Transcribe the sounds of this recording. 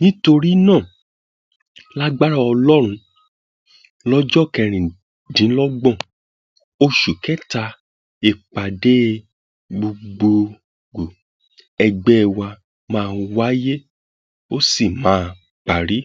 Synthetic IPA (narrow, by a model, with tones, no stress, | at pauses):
nĩ˦to˧ɾi˦nãː˦˨ | la˦ɡ͡ba˦ɾa˦ɔ˧lɔ˦ɾ̃ũ˧ | lɔ˦d͡ʒɔ˦˨kɛ˧ɾ̃ĩ˨ | dĩ˨˦lɔ˦ɡ͡bɔ̃˦˨ | o˧ʃu˨kɛ˦ta˧ | e˧k͡pa˨de˦ | ɡ͡bo˧ɡ͡bo˧ | ɡo˨ | ɛ˧ɡ͡bɛ˦˧˨wa˧ | mãː˦˧wa˦je˦ | o˦si˦˨mãː˦˧ | k͡pa˨ɾi˨˦